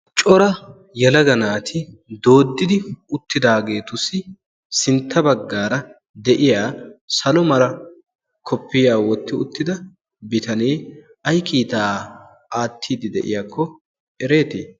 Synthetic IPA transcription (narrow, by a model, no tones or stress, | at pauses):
t͡ʃʼɔɾɐ | jɛlɐɡɐnaːt̪ʰɪd̪o̞ːd̪ːɪd̪ɪʊt̪ːɪd̪aːɡe̞ːt̪ʊsɪ | sɪnt̪ːɐbɐɡːaːɾɐ | d̪ɛʔɪjaːsɐlɔmɐɾɐ | kʰɔpʰːɪjaːwɔt̪ːɪʊt̪ːɪd̪ɐ | bɪt̪ɐneː | ɐjkiːt̪aː | aːt̪ʰːiːd̪ɪd̪ɛ̰ʔɪ̰jaːkʰːɔ | ʔɛɾe̞ːt̪ɪː